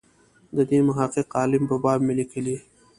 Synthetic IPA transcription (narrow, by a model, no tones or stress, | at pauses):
d̪ɐd̪ĩːnmɐɦaːqeqaːlɪmbɐbaːbmelikʰili